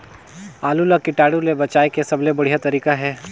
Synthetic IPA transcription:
aːlulakɪʈaːɽulebɐt͡ʃaːekesɐblebɐɽ̤ijat̪ɐɾiːkaɦɛː

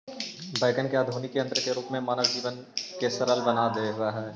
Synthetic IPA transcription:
baːɪkənkeaːd̪ʱuːnikeɐ̃nt̪ɾəkeɾuːpmẽmaːnəʋd͡ʒiːʋən | kesɐɾəlbɐnad̪eɦʊaɦɛː

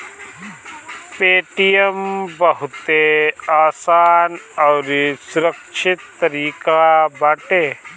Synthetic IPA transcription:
peːʈijəmbɐɦʊt̪eaːsaːnɔːɾsʊɾəkʃʰɪt̪ːɐɾiːkabaːʈeː

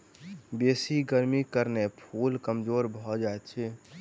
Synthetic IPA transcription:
besiɡəɾmikəɾnepʰulkəmd͡ʒoɾbʱɔd͡ʒaɛt̪̚t͡ʃʰɛ

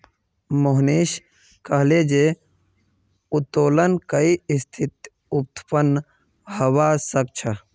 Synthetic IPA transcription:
moɦniːʃ | kəɦled͡ʒe | ut̪oːlənkəiist̪ʰit̪ | up̚t̪pənː | həwasək̚t͡ʃʰə

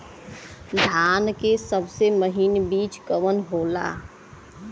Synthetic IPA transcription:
d̪ʱaːnkesəbseməɦinbiːt͡ʃkəʋənɦoːla̰

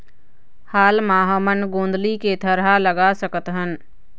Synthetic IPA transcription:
haːlmaːɦəmənɡõːnd̪liket̪ʰəɾɦaləɡasəkət̪ɦən

